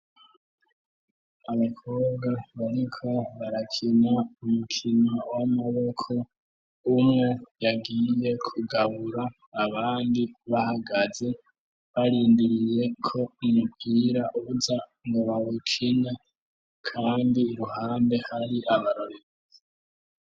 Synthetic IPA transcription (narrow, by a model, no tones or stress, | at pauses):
aβakʰo̞ːβɡaβaɾikʰo̞βaɾakʰinaumukʰinawamaβo̞kʰo̞ | umŋojaɡiːje̞kʰuɡaβuɾaː | βaːndiβahaɡaze̞ | βaɾiːndiɾije̞kʰo̞umupɡiːɾaʔuβuzaŋɡoβaβukʰina | kʰaːndiːɾuhaːmbe̞haɾiʔaβaɾoɾe